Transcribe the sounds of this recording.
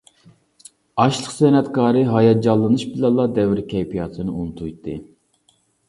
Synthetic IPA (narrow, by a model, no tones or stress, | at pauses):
ɑʃlˠəqsɛnɛt̪kʰɑːɾɨɦɑjɑd͡ʒɑlˠːɨnɨʃbɨlˠɑlˠːɑd̪ɛvɾkʲʰɛjpʰijɑt̪ʰɨnɨunut̪ʰujt̪ʰːɨ